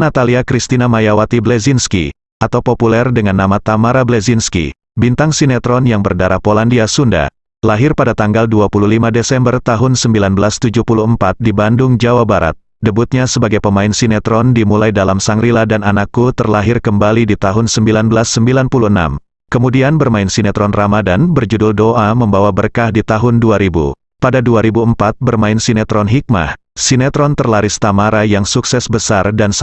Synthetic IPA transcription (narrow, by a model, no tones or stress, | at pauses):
nat̪aliakɾist̪inamajawat̪iblɛzinskḭ | ʔat̪awpopulɛrdəŋanːamat̪amaɾablɛzinskḭ | bint̪aŋsinɛt̪ɾɔnjaŋbərdaɾahpolandiasunda̰ | laɦɪrpadat̪aŋɡalduapululimadesɛmbərt̪aɦʊnsəmbilanbəlast̪ud͡ʒupuluəmpat̪̚dibandʊŋd͡ʒawabaɾa̰t̪̚ | dəbut̪̚ɲasəbaɡajpəmaɪnsinɛt̪ɾɔndimulajdalamsaŋɾiladananakːut̪ərlaɦɪrkəmbalidit̪aɦʊnsəmbilanbəlasːəmbilanpuluəna̰m | kəmudianbərmaɪnsinɛt̪ɾɔnramadanbərd͡ʒudʊldoʔaməmbawabərkahdit̪aɦʊnduaɾibṵ | padaduaɾibuəmpat̪̚bərmaɪnsinɛt̪ɾɔnɦik̚ma̰ | sinɛt̪ɾɔnt̪ərlaɾɪst̪amaɾajaŋsuksɛsbəsardan